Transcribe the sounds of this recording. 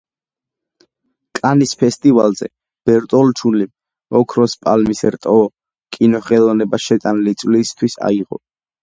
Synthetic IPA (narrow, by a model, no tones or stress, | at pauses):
kʼanispʰɛst̪ʼivalˠzɛ̰ | b̥ɛɾt̪ʼɔlt͡ʃʰunlim | ɔkʰɾɔspʼalmisɾt̪ʼɔ | kʼinɔχɛlˠɔnɛbaʃɛt̪ʼanlit̪sʼlist̪ʰwisa̰iʁɔ̰